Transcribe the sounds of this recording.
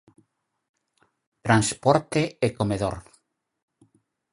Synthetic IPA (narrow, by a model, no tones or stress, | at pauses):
t̪ɾanspɔɾt̪eekomeðo̰ɾ